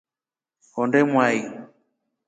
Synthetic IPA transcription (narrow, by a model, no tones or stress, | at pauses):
hɔndɛmwai